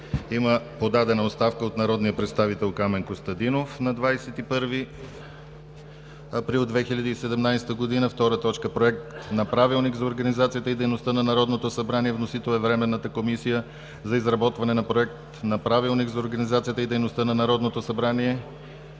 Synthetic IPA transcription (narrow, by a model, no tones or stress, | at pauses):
iməpod̪ad̪ɛnɐot̪st̪afkəot̪nɐɾɔd̪nijəpɾɛt̪st̪avit̪ɛlˠkamɛnŋkost̪ɐd̪inofnɐd̪vajsɛt̪ipɤɾvi | ɐpɾilˠd̪vɛxiʎʲɐd̪iːsɛd̪ɛmnajst̪əɡod̪inəft̪ɔɾət̪ɔt͡ʃkəpɾoɛk̚t̪nɐpɾavilˠnikzɐoɾɡɐnizat̪sijət̪əid̪ɛjnost̪ənɐnɐɾɔd̪not̪osɐbɾaniɛvnosit̪ɛlˠɛvɾɛmɛnːət̪əkomisijə | zɐizɾɐbɔt̪vɐnɛnɐpɾoɛk̚t̪nɐpɾavilˠnikzɐoɾɡɐnizat̪sijət̪əid̪ɛjnost̪ənɐnɐɾɔd̪not̪osɐbɾaniɛ